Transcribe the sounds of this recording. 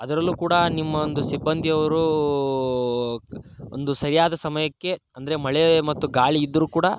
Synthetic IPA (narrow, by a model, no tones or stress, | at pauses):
ɐd̪ɐɾɐlːuːkuːɽɐnimːɐond̪usibːɐnd̪ʱiɐʋɐɾu | o̰nd̪usɐɾijaːd̪ɐsɐmɐjɐkːe̞ɐnd̪ɐɾemɐɭemɐt̪ːuɡaːɭiːd̪ːɐɾuːkuːɽɐ